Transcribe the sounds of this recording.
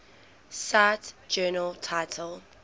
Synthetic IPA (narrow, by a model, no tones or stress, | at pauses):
satd͡ʒɜːnəltʰaɪtʰəlˠ